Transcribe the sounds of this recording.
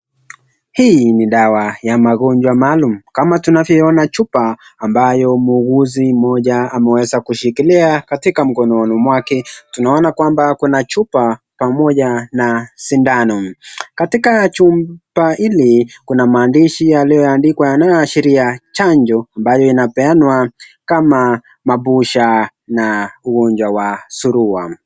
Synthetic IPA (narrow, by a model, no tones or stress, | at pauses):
hiniɗawajamaɠɔɲd͡ʒwamaːlum̩kamatunavjɔɔnat͡ʃupaːmbajɔmuːɣuzimɔʄaamɛwɛzakuʃikiliakatikam̩kɔnɔnɔmwakɛtunaɔnakwambakunat͡ʃupa | pamɔʄanasindanɔkatikat͡ʃumpaʔilikunamaːndiʃijaliɔjandikwajanajɔaʃiɾiat͡ʃaɲd͡ʒɔambajɔinapɛanwakama | maɓuʃa | nauɡɔɲd͡ʒwawasuɾuwa̰